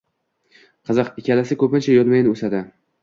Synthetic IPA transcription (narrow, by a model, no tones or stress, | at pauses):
qʰɨzɨqɪkʲʰalasɪkʰɵpɪnt͡ʃʰajɒt̪majnɪosad̪ɪ